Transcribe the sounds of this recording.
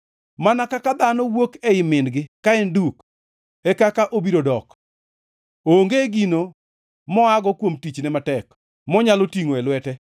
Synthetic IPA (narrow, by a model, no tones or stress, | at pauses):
manakakad̪anɔwokɛɪmɪnɡɪkaɛnduk | ɛkakaʔobiɾodɔk | oːŋɡeɡino | mɔaɡɔkwomtit͡ʃnɛmatɛk | mɔɲalotiŋoɛlwɛtɛ